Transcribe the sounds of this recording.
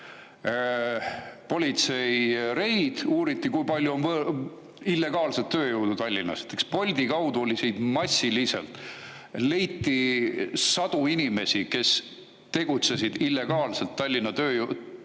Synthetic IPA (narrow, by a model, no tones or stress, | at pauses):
po̞lʲit̪se̞jɾe̞jd̪̥uːɾit̪ːikujpɑlʲjuonvɤ | ilːe̞ɡ̥ɑːlset̪ːø̞ːjuwd̪ut̪ɑlʲːinɑ̰st̪ːekspo̞lʲd̪ikɑwd̪uo̞lʲisejd̪mɑsʲːilise̞̰lt̪ˑ | le̞jt̪ːi | sɑd̪̥uinime̞sike̞s | t̪e̞ɡ̥ut̪se̞s̬id̪ilːe̞ɡ̥ɑːlse̞lt̪ːɑlʲːinɑt̪ø̞ːjud̪